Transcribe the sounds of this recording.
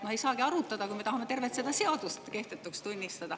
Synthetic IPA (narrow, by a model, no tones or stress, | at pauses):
mohe̞jsɑːkiɑɾut̪ːˑɑd̪̥ɑkujme̞t̪ɑhɑme̞t̪e̞rvet̪sed̪ɑse̞ɑd̪̥ust̪ke̞ht̪ett̪ːˑukst̪unʲːist̪ɑd̪̥ɑ